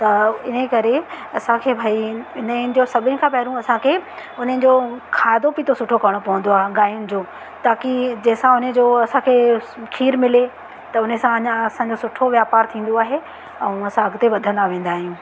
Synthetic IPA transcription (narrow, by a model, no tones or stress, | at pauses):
t̪ɐɪn̤əkɐɾe | ɐsãkʰeːbʱaːiɪnəd͡ʑosɐbʱɪnɪ̃̆kʰãːpɛɦːɾũɐsãkʰeː | ʊn̤ənɪ̆d͡ʑoːkʰaːɪd̪opit̪ʰosʊʈʰokɐɾəɽ̃opɐɦə̃nd̪oaːɦeɠaːijʊnɪ̆d͡ʑoː | t̪aːkid͡ʑɐːsãʊnəd͡ʑoːɐsãkʰeːkʰiːɾmɪle | t̪ɐʊn̤əsãɐɲɐsãd͡ʑosʊʈʰoʋjaːpaːɾt̪ʰĩːn̆d̪oaːɦe | ɛ̃ũɐsãɐɡt̪eʋɐd̪ʱə̃nd̪aʋẽːnd̪aːɦijũː